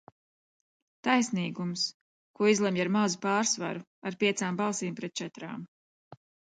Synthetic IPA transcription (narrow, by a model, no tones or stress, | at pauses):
t̪ajsniːɡums | kuɔizlˠɛmjaɾmawzupaːɾsva̰ɾu | aɾpʲiɛt̪saːmbɑlˠsiːmpɾɛt̪̚t͡ʃɛt̪ɾa̰ːm